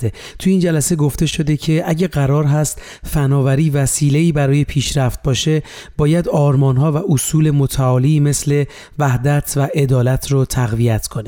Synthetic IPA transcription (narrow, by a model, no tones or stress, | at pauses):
e | t̪ʰujeiːnd͡ʒælæse̞ɡo̞ft̪e̞ʃo̞d̪e̞cʰe̞ʔæɟæɣæɾɒːɾɦæst̪ | fænɒːvæɾiːvæsiːle̞iːbæɾɒːje̞pʰiːʃɾæft̪̚bɒːʃe̞b̥ɒːjæd̪ɒːɾmɒːnɦɒːvæʔosuːle̞mot̪ʰæɒːliːme̞sle̞ | væhd̪æt̪ʰvæʔe̞d̪ɒːlæt̪ʰrot̪ʰæɣvijæt̪ʰkʰo̞ne